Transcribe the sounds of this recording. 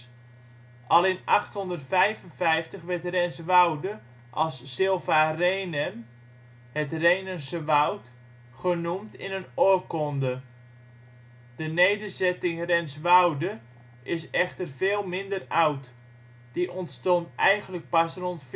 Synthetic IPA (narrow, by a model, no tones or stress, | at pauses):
ʔɑlenʔɑχthɔndərtfɛjvənvɛjftəχʋɛɹtrɛnsʋawdə | ʔɑlˠsːɪlˠvaːrejnəm | hətrejnənsəʋawt | χənumtɪ̰nənokɔndə | d̥ənejdərzɛtɪŋrɛnsʋawdə | ʔɪsɛχtərv̥eːlˠmɪndərawt | d̥iʔɔntstɔntɛjχənlək̚pasrɔntf